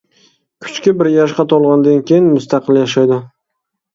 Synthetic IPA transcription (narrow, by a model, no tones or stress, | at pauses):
kʰʊ̥t͡ʃkʲɪbɪɾjaʃqɑt̪ʰɒlˠʁɑnd̪ankʲʰejɪnmʊst̪ʰɑqʰɨlˠjaʃajd̪ɪ